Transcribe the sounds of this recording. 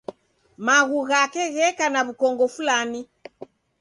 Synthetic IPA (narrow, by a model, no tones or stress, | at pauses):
maɣuɣakɛɣɛkanaβukɔŋɡɔfulani